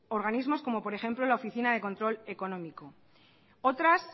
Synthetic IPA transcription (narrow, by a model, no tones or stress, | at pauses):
o̞ɾɣanizmo̞sko̞mo̞po̞ɾe̞xe̞mplo̞laofiθinaðe̞ko̞nt̪ɾo̞le̞ko̞nõ̞miko̞ | o̞t̪ɾas